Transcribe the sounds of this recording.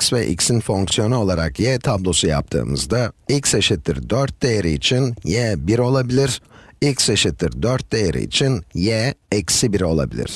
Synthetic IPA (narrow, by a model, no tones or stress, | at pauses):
csvɛʔḭcsinfo̞ŋksijo̞nuo̞lˠaɾakjɛt̪ʰablˠo̞suja̰p̚t̪ʰɯ̰ːmɯ̰zd̪ailʲcseʃɯt̪ːḭɾd̪øɾt̪̚d̪ejeɾiit͡ʃʰinjɛbiɾo̞lˠabilʲiɾ̥ilcseʃit̪ːḭɾd̪øɾt̪̚d̪ejeɾḭḭt͡ʃʰinjɛɛcsibiɾo̞lˠa̰bḭlʲḭɾ̝̥